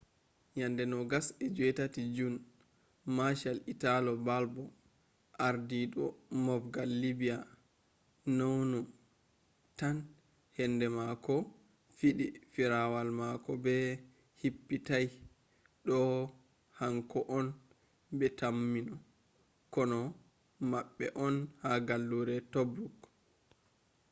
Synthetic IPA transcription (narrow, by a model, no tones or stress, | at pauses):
jandɛnɔɡasɛd͡ʒuɛtatid͡ʒun | maʃalitalɔbalbɔ | ʔaɾdiɗɔmɔfɡalːibija | nownɔ | tan | hɛndɛmakɔ | fiɗifiɾawalmakɔbɛ | hipːitaj | ɗɔ | haŋkɔʔɔn | bɛtamːinɔ | kɔnɔ | maɓːɛʔɔnhaɡalːuɾɛtobɾuk